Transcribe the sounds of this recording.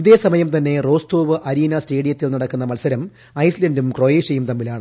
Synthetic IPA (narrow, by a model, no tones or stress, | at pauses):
iðe̞ːsɐmɐjɐmt̪ɐnːe̞ro̞ːst̪o̞ːʋɨʔɐɾiːnɐsʈe̞ːɽijɐt̪ːilnɐɽɐkːunːɐmɐlsɐɾɐm | ɐjsilɐndumkroːjeːʂɐjumt̪ɐmːilaːɳɨ